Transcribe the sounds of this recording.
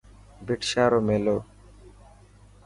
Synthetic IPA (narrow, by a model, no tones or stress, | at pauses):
biʈʃaɾomelo